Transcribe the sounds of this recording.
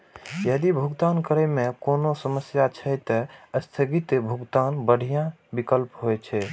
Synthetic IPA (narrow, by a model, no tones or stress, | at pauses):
jəd̪ibʱuɡt̪ankəɾəjmekonosəməsjat͡ʃʰəjt̪əəst̪ʰəɡit̪bʱuɡt̪anbəɽ̤ʱijã | bikəlpɦojt͡ʃʰɛ